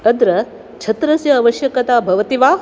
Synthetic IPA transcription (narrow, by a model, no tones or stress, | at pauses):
ɐd̪ɾɐ | t͡ʃʰɐt̪ɾɐsjɐːʋɐʃjɐkɐt̪aːbʱɐʋɐt̪iʋaː